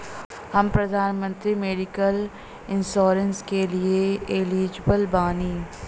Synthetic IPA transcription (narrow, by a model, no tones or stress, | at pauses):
hɐmpɾɐd̪ʱaːnmə̃nt̪ɾimeːɖɪkəl | ɪnʃoːɾə̃nskelieeliːd͡ʒbəlbaːniː